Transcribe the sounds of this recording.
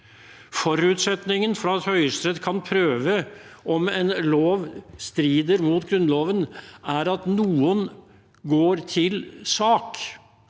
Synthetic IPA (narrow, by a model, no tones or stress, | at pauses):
fɔɾʉːt̪sɛt̪nɪŋənfɾɑɑt̪hœʏəst̪ɾɛd̪kʰɑnpʰɾøːʋə | ʔɔmɛnloːʋst̪ɾiːd̪əɾmut̪ɡɾʉnloːʋənæɾɑt̪nuːən | ɡoːɾt̪ʰɪlsɑːk